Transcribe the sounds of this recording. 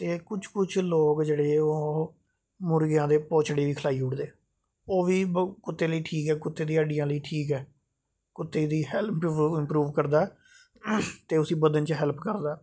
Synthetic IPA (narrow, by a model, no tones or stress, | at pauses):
t̪eːkʊt͡ʃʰkʊt͡ʃʰloːkd͡ʒeːɽeːoː | mʊɾɡjãːd̪eːpõːt͡ʃɽeːʋiːkʰəlaːiːʊʈd̪eː | oːʋiːkʊt̪ːeːləiːʈʰiːkɛːkʊt̪ːeːd̪ĩːəɖɪjãːləiːʈʰiːkɛː | kʊt̪ːeːd̪iːhɛlpʰɪmpɾuːʋkəɾd̪aː | t̪eːʊsiːbəd̪ənt͡ʃɦɛlpkəɾd̪aː